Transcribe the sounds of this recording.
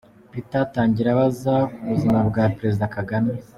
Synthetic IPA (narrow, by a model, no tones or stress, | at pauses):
βitataːɲɟiɾaβazakuβuzimabɡaːpeɾe̞zidakaɡame